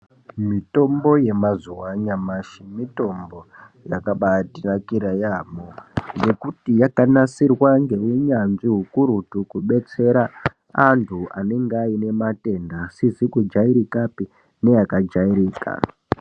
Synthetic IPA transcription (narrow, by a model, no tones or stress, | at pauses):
mito̞mbo̞je̞mazuwaɲamaʃimito̞mbo̞ | jakaɓatinakiɾajaːmoje̞kutijakanasirwaŋɡe̞wiɲanʐiɦukuɾutukuɓe̞t͡se̞ɾa | antʰuʔane̞ŋɡeaine̞mate̞ndasizikud͡ʒaiɾikapi | ne̞jakad͡ʒaiɾiːka̰